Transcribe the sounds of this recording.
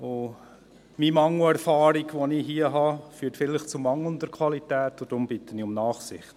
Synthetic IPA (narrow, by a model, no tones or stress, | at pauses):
o | mimɑŋləæɾfɑːɾiɡʋoniɦiəɦɑfyːtfɪlɪχt͡sʊmɑŋlənd̪əɾkʰwɑlitæːtːod̥ɾʊmb̥ɪtəniʊmnɑːχsɪχt